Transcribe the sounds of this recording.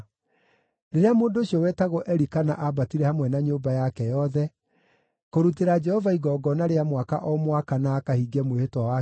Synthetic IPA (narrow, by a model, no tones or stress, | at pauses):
neɾeamoːndoːɕiɔwɛtaɣɔʔɛɾikana̰ʔabatiɾɛhamwɛnaɲoːbajakɛjɔðɛ | koɾuteɾad͡ʒɛhɔvaiɣɔːɡɔnaɾeamwaka̰ʔɔmwakanaːkahiɡɛmwehetwawa